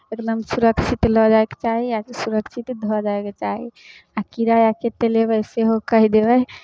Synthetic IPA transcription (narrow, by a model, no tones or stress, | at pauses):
eknəmsuɾəkt͡ʃʰit̪ləd͡ʒaeke̥t͡ʃaɦiasuɾəkt͡ʃʰit̪d̪ʱɔd͡ʒaeket͡ʃaɦḭ | akiɾajaket̪elebəjseɦokəɦid̪ebɛj